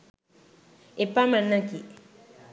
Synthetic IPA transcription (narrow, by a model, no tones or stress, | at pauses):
epamãnãki